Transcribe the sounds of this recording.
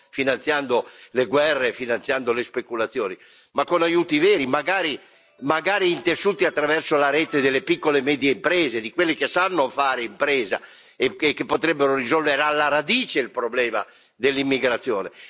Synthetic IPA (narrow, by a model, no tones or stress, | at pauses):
finant̪sjand̪oleɡwɛrːefinanjand̪olespekulat̪sːjɔːni | makːonajuːt̪ivɛːɾimaɡaːɾi | maɡaːɾiːnt̪esuːt̪iat̪ːɾavɛrsolaɾɛt̪ed̪elːepikːolemɛːd̪jeimpɾɛːzed̪ikwelːekesanːofaːɾeimpɾɛːza̰ | ekːepːot̪ɾɛbːeɾorizɔlveɾealːaɾad̪iːt͡ʃeilpɾoblɛːma̰ | d̪elːimːiɡɾat̪sːjɔːne